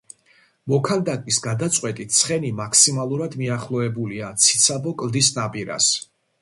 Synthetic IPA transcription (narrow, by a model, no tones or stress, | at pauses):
mɔkʰand̪akʼvisɡad̪at̪sʼwɛt̪ʼit̪̚ʰsʰχɛnimakʰsimalˠuɾad̪miaχlˠɔɛbuliat̪sʰi̥t̪sʰabɔkʼlˠd̪isnapʼiɾa̰s